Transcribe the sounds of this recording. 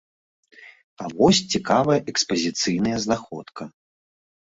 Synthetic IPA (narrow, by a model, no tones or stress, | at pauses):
avɔsʲt͡sʲikavɐjɐʔɛkspɐzʲit̪sɨjnɐjɐznaxɔt̪kʰɐ